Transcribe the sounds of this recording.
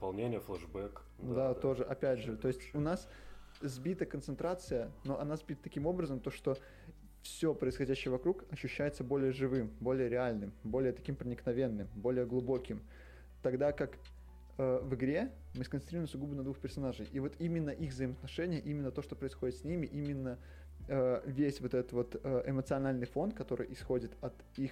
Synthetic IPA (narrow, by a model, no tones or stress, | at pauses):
pɐlˠnʲenʲɪjəflˠɛʐbɛk | dd̪ao̞ʐɨʔɐpʲætʲʐɨt̪o̞ɪsʲtʲʊnas | zʲbʲit̪əkənt̪sɨnt̪ɾat̪sɨjəno̞ʔɐnazbʲit̪ət̪ɐkʲimo̞bɾəzəmt̪o̞ʂt̪o̞ | fsʲo̞pɾəɪsxɐdʲæɕːɪjəvɐkɾukɐɕːʉɕːæjɪt̪səbo̞lʲɪjəʐɨvɨmbo̞lʲɪjəɾʲɪalʲnɨmbo̞lʲɪjət̪ɐ̥kʲimpɾənʲɪknɐvʲe̞nːɨmbo̞lʲɪjəɡlˠʊbo̞kʲɪm | t̪ɐɡd̪akak | əvɨɡɾʲe | mɨskənt̪ɾiɾʊɪmsʊɡubɨnɐd̪vuxpʲɪrsɐnaʐɨjʔivo̞t̪imʲɪnːəʔiɣvzəjɪməɐt̪nɐʂɛnʲɪjəʔimʲɪnːət̪o̞ʂt̪o̞pɾəɪsxo̞dʲɪt̪sʲnʲimʲɪʔimʲɪnːə | əvʲesʲvo̞t̪ɛt̪ət̪vo̞t̪əʔɪmət̪sɨɐnalʲnɨjfo̞nkɐt̪o̞ɾɨ̰jʔɪsxo̞dʲɪt̪ɐt̪ | ix